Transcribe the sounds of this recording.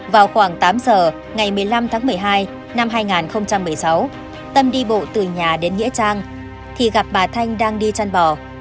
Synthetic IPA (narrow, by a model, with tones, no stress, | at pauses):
vaː˨˩wxwaː˧˩ŋt̪aː˨˦mzəː˨˩ | ŋa˨˩jmɨ˨˩əjla˧mt̪ʰaː˨˦ŋmɨ˨˩əjɦaː˧j | na˧mɦaː˧jŋaː˨˩nxə˧wŋ͡mt͡ɕa˧mːɨ˨˩əjsa˨˦w | t̪ə˧mɗi˧ɓo̰˧˨t̪ɨ˨˩ɲaː˨˩ɗe˨˦nŋḭ˧˥ət͡ɕaː˧ŋ | t̪ʰi˨˩ɣa˨˩p̚maː˨˩t̪ʰa˧jŋ̟ɗaː˧ŋɗi˧t͡ɕa˧nɓɔ˧˩